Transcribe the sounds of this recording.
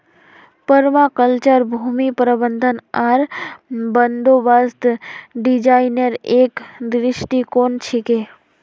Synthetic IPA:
pəɾmãkəlt͡ʃəɾbʱumipɾəbənd̪ʱənaɾbənd̪obast̪ɖid͡ʒainəɾekd̪ɾɪʃʈikont͡ʃʰike

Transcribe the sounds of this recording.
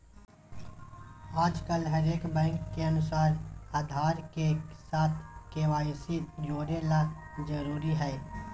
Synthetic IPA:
aːd͡ʒkəlɦɐɾeːkbɛ̃ːŋkːeɐnʊsaːɾaːd̪ʱaːɾkesaːt̪ʰkeʋaːsid͡ʒoːɽelad͡ʒəɾuːɾiɦɛː

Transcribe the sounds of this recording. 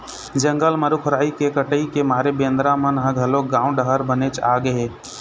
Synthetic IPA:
d͡ʒə̃ŋɡəlməɾukʰʊɾaːikekəʈəikemaːɾebẽːnd̪ɾamənɦə̃ɡʱɐloɡãːũɖəɦəɾbənet͡ʃaːɡəɦeː

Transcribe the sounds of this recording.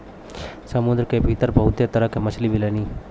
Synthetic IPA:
səmʊnd̪ɾəkebʱit̪əɾbʱɐɦʊt̪jet̪əɾəkemɐt͡ʃʰlibʱileːniː

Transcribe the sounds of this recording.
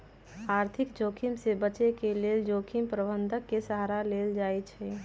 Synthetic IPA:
aɾt̪ʰikd͡ʒokʰimsebət͡ʃekeleld͡ʒokʰimpɾəbənd̪ʱəkːesaɦɾaleld͡ʒajt͡ʃʰɛ

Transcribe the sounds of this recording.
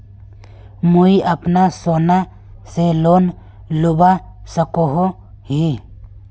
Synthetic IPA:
muiʔəpnasoːna | seloːn | lʊba | səkoɦo | ɦi

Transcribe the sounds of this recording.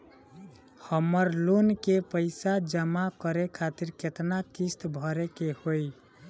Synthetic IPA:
həmːəɾlonkepəɪsad͡ʒəmakəɾekʰat̪iɾket̪nakist̪bʱəɾekehoj

